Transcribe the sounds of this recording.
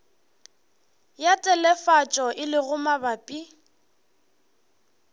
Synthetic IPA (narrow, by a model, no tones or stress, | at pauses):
jatʼɛlɛfat͡ʃʼɔʔɪlɪɣʊmabapʼi